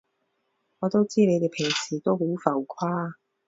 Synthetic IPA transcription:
ŋɔː˨˧t̪o˥wt͡siː˥ne˨˧jt̪e˨˩jpʰɪ˨˩ŋsʰiː˨˩t̪o˥wmu˨˥wfɐ˨˩wkʷʰwaː˥

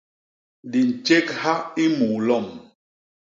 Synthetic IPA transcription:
di˨n̩˨t͡ʃe˦kha˦i˦mu˨lɔ˦˨m

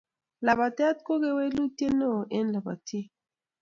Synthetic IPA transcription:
la˨ba˨tɛ˦t̪̚ko˦ke˦we˦lu˦te˦no˦˨ʔe˦nla˨ba̰˨te˦

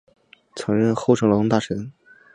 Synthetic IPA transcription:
t͡sʰɤ˧˥ŋɻə˥˧nxo˥˩ʊʈ͡ʂʰɤ˧˥ŋlo˧˥ʊ˥t̪a˥˩ʈ͡ʂʰə˧˥n

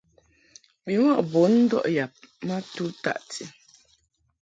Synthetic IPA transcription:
bi˨wɔ˦ʔbo˨˦n̩˦dɔ̰˦ʔja˨p̚ma˦tu˦ta̰˦˨ʔtʰi˨

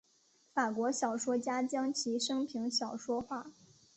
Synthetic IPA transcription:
fa˨˩kwɔ˧˥ɕjɑ˨˩ʊʂwɔ˥t͡ɕja˥t͡ɕjɑ˥ŋt͡ɕʰi˧˥ʂɤ˥ŋpʰi˧˥ŋɕjɑ˨˩ʊʂwɔ˥xwa˥˩

